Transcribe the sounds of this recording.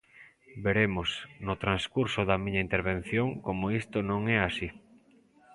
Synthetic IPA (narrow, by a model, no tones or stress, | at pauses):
beɾemosnʊt̪ɾanskuɾsʊðɐmĩɲɐint̪eɾβẽn̟θjoŋkomoist̪onõŋɛasi